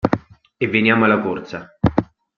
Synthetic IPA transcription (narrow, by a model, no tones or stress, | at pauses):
evːenjaːmalːakort̪sa